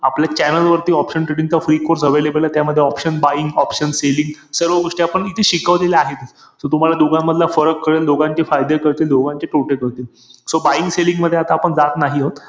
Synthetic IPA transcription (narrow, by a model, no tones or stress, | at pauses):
apljat͡ɕænəlʋəɾt̪iːɔpʂəɳʈɾeɽiŋtafɾikoɾsəʋelebəlat̪jaməd̪ʱːjeɔpʂənbaiŋɡɔpʂənseliŋɡsəɾʋəɡoʂʈiapəɳit̪ʰeɕikəʋd̪ileaɦet̪ | sot̪um̤alad̪oɡãmːəd̪ʱlafəɾəkːəɭeld̪oɡãɲt͡ɕefajd̪ekəɽt̪iːld̪oɡãɲt͡ɕeʈoʈekəɾt̪iːl | sobaiŋɡseliŋɡməd̪ʱːjeat̪aːpəɳd͡zat̪naɦiɦot̪